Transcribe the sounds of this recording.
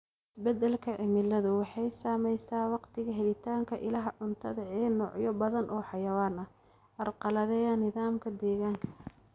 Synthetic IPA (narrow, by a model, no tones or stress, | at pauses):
ʔɪsbɛd̪ɛlkʰɐʕɪmɪlːɐðʊwɑħɑjsaːmɛjsaːwɑqt̪ʰɪɣɐɦɛlɪt̪ʰaːŋkʰɐʔɪlɐɦɐʕʊnt̪ʰɐðɐʕɛːnɔːʕjɔbɐðɐnʔɔːħɑjɐwaːnɐ | ʔɐrqɑlɐðɛjanːɪðaːmkʰɐd̪ɛːɣaːŋkʰɐ̥